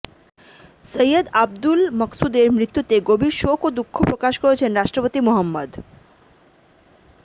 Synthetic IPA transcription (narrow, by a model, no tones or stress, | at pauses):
səjəd̪ab̚d̪ulməksud̪eɾmɾit̪ːut̪eɡobiɾʃokod̪ukʰːopɾokaʃkoɾet͡ɕʰenɾaʃʈɾopot̪imoɦəmːəd̪